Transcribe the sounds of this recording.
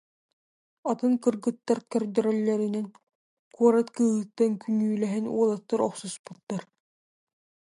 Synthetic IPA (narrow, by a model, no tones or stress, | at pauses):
at̪ɯŋkɯɾɡɯt̪ːaɾkœɾd̪œɾœlːɛɾinɛn | kuɔɾat̪kɯːɦɯt̪ːankynyːlɛɦɛnṵɔlˠat̪ːaɾɔqsuspu̥t̪ːaɾ